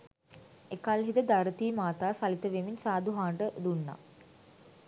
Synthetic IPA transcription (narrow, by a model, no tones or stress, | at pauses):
ekalɦid̪əd̪aɾət̪iːmaːt̪aːsalit̪əʋemiɲsaːd̪uɦaːɳɖəd̪unːa̰